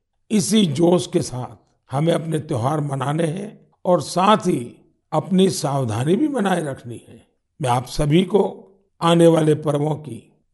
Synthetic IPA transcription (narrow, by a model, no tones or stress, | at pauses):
ɪsid͡ʒoːskesaːt̪̚ʰ | hɐmẽɐpnet̪jɔɦaːɾmɐnaːneɦɛ̃ | ɔːɾsaːt̪ʰɦi | ɐpnisaːwd̪ʱaːnibʱibɐnaːeɾɐkʰniɦɛ̃ː | mɛ̃aːpsɐbʱiko | aːneʋaːlepəɾʋõkḭ